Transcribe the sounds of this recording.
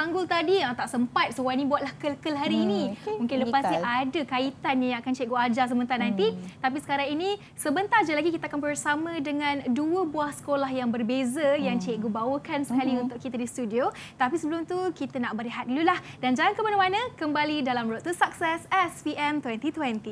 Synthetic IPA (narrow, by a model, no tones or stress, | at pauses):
aŋɡʊlt̪adiat̪aʔsəmpat̪̚səwanĩbuat̪̚lahkəlkəlɦaɾiːnĩmũŋkɪnləpast̪iʔadəkait̪anjajãŋakant͡ʃɛʔɡoad͡ʒas̬əmənt̪aɾnãnt̪it̪apisə̥kaɾaŋini | səbənt̪ard͡ʒalaɡikit̪akanbərsamə̃dəŋãnduəbuahsə̥kolahjaŋbərbezəjaŋt͡ʃɛʔ̚ɡubawəkansə̥kaliunt̪ʊkːit̪ədist̪udio | t̪apisəbəlʊmt̪ukit̪ənaʔbəɾiɦat̪̚lulahdand͡ʒaŋaŋkəmanəmanə̃kəmbalidalamɾot̪t̪ːusak̚sɛsɛspiʔɛmt̪wɛnt̪it̪wɛnt̪i